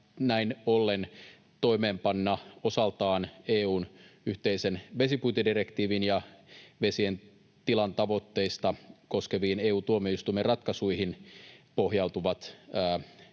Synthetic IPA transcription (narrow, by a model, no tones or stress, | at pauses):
næinolːen | t̪o̞imeːmpɑnːɑo̞sɑlt̪ɑːneːuːnyht̪eisenʋe̞siput̪idirekt̪iːʋinjɑʋe̞sien | t̪ilɑnt̪ɑʋo̞t̪ːeist̪ɑko̞skeʋiːneːuːt̪uomeist̪umːerɑt̪kɑsuihinpo̞ɦjɑut̪uʋɑt̪æː